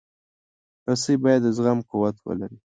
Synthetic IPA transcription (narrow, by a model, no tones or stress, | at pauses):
tasibɑjad̪ːəzɣamkuwat̪wə̰la̰ɾi